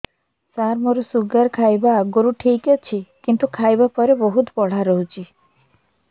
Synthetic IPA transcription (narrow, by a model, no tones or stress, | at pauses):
saɾmoɾusuɡaɾkʰajbaɡoɾuʈʰijket͡ʃʰikint̪ukʰajbapɔɾebɔɦut̪pɔɽ̤aɾɔɦut͡ʃʰi